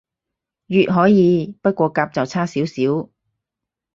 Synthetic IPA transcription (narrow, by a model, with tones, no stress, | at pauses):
jyː˨t̚ɦɔː˨˥jiː˨˧pɐ˥t̚kʷɔː˧kaː˧p̚t͡sɐ˨wt͡sʰaː˥siː˨˥wsiː˨˥w